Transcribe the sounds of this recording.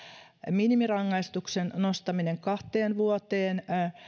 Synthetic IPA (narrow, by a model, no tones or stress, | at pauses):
minimirɑŋːɑist̪uksennost̪ɑmineŋkɑht̪eːnʋuot̪eːn